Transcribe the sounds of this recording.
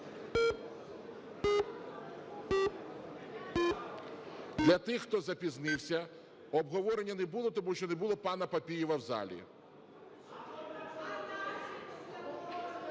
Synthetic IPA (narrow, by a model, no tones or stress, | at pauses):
d̪lʲɐt̪ɪxt̪ɔzɐpʲiznɪwsʲɐ | ɔbɦɔʋɔɾenʲːɐnɛbulˠɔt̪ɔmuʃt͡ʃɔnɛbʊlˠɔpɑnɐpɐpʲijɪʋɐwzɑ̰lʲḭ